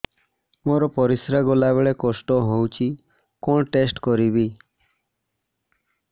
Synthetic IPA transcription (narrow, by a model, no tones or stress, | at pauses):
moɾɔpɔɾisɾaɡɔlabeɭekɔsʈɔɦowt͡ʃʰi | kɔɳʈesʈkɔɾibi